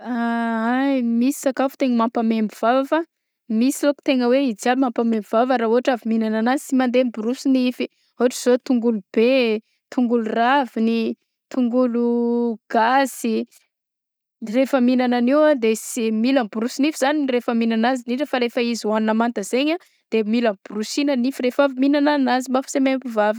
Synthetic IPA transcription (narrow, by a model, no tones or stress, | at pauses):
aajmisi̥sakafu̥t̪eŋəmampamembiv̥ava | misiloku̥t̪eŋəweid͡ziaimampamembivavəɾauɦaʈ͡ʂaviminananazi̥simand̪embuɾusinifi | uaʈ͡ʂiz̥ot̪uŋɡulub̥e | t̪uŋɡuluravini | t̪uŋɡuluɡ̥asi | refəminananewad̪esimilambuɾusinifiz̥aninrefəminanaziniʈ͡ʂəfaɾefəiziwanunamant̪əz̥eɲa | d̪̥emilamb̥urusinənifiɾefaviminananazimafsemempivavə